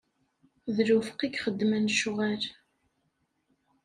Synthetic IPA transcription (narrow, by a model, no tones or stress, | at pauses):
ðɾufə̥qiɡχəd̪ːmənʃʊʁæl